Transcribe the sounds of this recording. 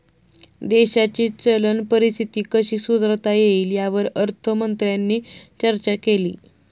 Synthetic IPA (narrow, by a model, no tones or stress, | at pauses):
d̪eɕat͡ɕiːt͡sələnpəɾist̪ʰit̪iːkəɕiːsud̪ɾt̪ajeiːljaʋəɾəɾt̪ʰəmənt̪ɾjanːit͡ɕəɾt͡ɕakelḭː